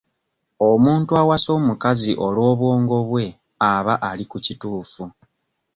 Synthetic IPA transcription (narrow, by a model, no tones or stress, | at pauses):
o̞muːntuawaso̞ːmukaziʔo̞lwo̞ːβwo̞ːŋɡo̞βwe̞ | aβaʔalikucituːfu